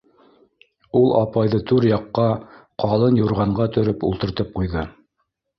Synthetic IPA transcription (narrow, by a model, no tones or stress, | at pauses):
ulˠʔɑ̰pɑjðɤt̪ʰʉɾjɑqːɑqɑlˠɤnjuɾʁɑɴɢɑt̪ɵ̆ɾɵpṵlˠt̪ɤ̆ɾt̪ɤp̚qujðɤ